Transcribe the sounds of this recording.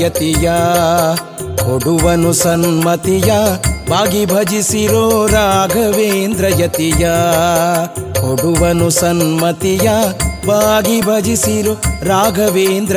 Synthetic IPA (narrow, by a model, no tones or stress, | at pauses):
ɐt̪ija | hoɽuʋɐnusɐnmɐt̪ijɐbʱaːɡibʱɐd͡ʒisiɾoːɾaːɡʱɐʋeːnd̪ɾɐjɐt̪ijaː | ɦoɽuʋɐnusɐnmɐt̪ijɐbaːɡibʱɐd͡ʒisiɾoːɾaːɡʱɐʋeːnd̪ɾɐ